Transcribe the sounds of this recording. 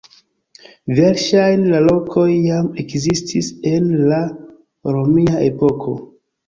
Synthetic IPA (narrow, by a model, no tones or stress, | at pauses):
veɾʃajnlalo̞kʰo̞jːame̞kzistʰise̞nla | ɾomiaʔe̞po̞kʰo̞̰